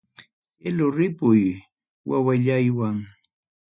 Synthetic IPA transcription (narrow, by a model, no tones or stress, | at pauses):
elʊɾɪpʊj | wa̰waʎajwaŋ